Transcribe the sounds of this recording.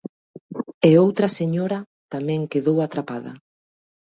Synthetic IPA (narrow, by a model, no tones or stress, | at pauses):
eowt̪ɾɐseɲoɾɐ | t̪amɛ̃ŋkeðowat̪ɾapaðɐ̰